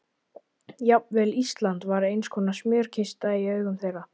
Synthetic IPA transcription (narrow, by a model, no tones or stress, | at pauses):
jap̚mvɛlist̪lant̪vaɾejnskʰɔːnasmjœːɾ̥cʰɪst̪aiœːɥɣʏmθɛːɣa